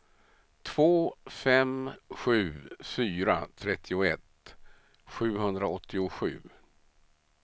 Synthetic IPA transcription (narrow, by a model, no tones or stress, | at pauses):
t̪ʰv̥oːfɛmɧʉ̟ːfyːɾat̪ʰɾɛt̪ʰːɪʊɛt̪ | ɧʉ̟ːɦɵnd̪ɾaɔt̪ʰːɪʊɧʉ̟ː